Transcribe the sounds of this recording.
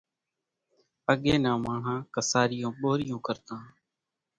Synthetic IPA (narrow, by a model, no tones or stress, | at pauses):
əɠeːnãːmãːɳ̤ãːkəsaːɾɪjõːɓoːɾɪjõːkəɾt̪ãː